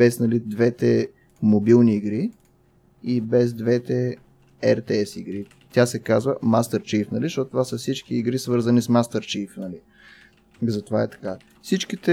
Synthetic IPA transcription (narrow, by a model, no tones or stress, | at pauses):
bɛsnɐlid̪vɛt̪ɛ | mobilˠniiɡɾi | ibɛzd̪vɛt̪ɛ | ɛɾt̪ɛɛsiɡɾi | t̪jasɛkazvəmast̪ɛɾt͡ʃifnɐliʃt̪ɔt̪ot̪ovasəfsit͡ʃkiːɡɾisvɤɾzɐnismast̪ɛɾt͡ʃifnɐli | zɐt̪ovaɛt̪ɐ̥ka | fsit͡ʃkit̪ɛ